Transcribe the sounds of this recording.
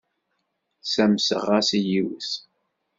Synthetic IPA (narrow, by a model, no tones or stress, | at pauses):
sæmsə̰ʁæsijiwəs